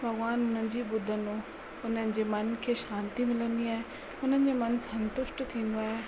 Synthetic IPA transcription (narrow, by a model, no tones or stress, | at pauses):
bʱɐɡʋaːnʊn̤ənɪ̆d͡ʑiːɓʊd̪ʱəno | ʊn̤ənɪ̆d͡ʑeːmɐnkʰeːʃãːnt̪imɪlənd̪iaːɦe | ʊn̤ənɪ̆d͡ʑeːmɐnssɐ̃nt̪ʊʃʈt̪ʰĩːn̆d̪oaːɦe